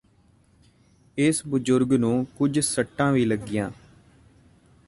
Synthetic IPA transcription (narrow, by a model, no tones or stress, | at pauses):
ɪsbʊd͡ʒʊɾɡnũːkʊd͡ʒsəʈːãːʋiːləɡːɪjãː